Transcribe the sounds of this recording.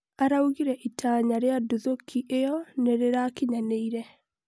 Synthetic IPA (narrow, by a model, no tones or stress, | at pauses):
aɾauɣiɾɛʔitʰaɲaɾeaduðokʰːiʔejɔneɾeɾakiɲaneiɾɛ